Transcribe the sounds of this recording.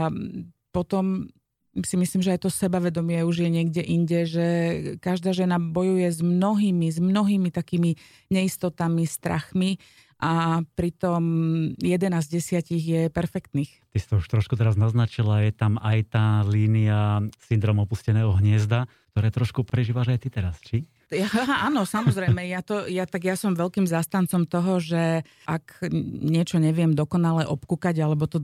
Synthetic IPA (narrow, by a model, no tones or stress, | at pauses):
pɔt̪ɔm | simisliːmʒɛajt̪ɔsɛbaʋɛd̪ɔmɪɛuʒjɛɲɪɛɡɟɛʔiɲɟɛʒɛkaʒd̪aːʒɛnabɔjujɛzmnɔɦiːmizmnɔɦiːmit̪akiːmi | ɲɛist̪ɔt̪amist̪ɾa̰xmi | ʔapɾit̪ɔmjɛd̪ɛnaːzɟɛsɪaciɣjɛpɛɾfɛkt̪niːxt̪isi̥t̪ɔuʃt̪ɾɔʃkut̪ɛɾaznaznat͡ʃilajɛt̪amajt̪aːliːniasind̪ɾɔmɔpuscɛnɛːɦɔɦɲɪɛzd̪ak̚t̪ɔɾɛːt̪ɾɔʃkupɾɛʒiːʋaʒajt̪it̪ɛɾast͡ʃi | aɦaɦaʔaːnɔsamɔzɾɛjmɛjat̪ɔjat̪aɡjasɔmʋɛlkiːmzast̪ant͡sɔmt̪ɔɦɔʒɛ | ʔakɲɪɛt͡ʃɔɲɛʋɪɛmd̪ɔkɔnalɛʔɔpkukaɟalɛbɔt̪ɔ